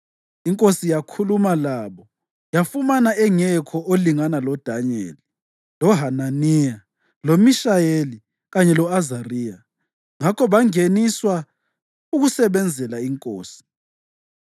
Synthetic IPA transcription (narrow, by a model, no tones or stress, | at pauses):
iŋkʼosijakʰulumalaβɔ | jafumanaɛŋɛkʰɔʔoliŋanalɔd̥ʱaɲḛːli | lɔɦananija | lomiʃajeli | ɣaɲɛlɔazariːja | ŋakʰɔβaŋeniswa | uɣusɛβɛnd͡zʱɛlaiŋkʼoːsi̥